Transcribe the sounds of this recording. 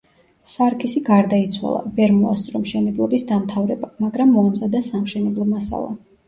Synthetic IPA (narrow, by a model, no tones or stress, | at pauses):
saɾkʰʼisiɡaɾd̪ait̪sʰwa̰lˠa̰vɛɾmɔast̪sʼɾɔmʃɛnɛblˠɔbisd̪amt̪ʰavɾɛbamaɡɾamːɔamzad̪asamʃɛnɛblˠɔmasa̰lˠa̰